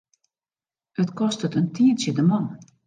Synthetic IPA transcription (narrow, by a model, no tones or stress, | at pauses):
ətkɔstətəntiəsədəmɔn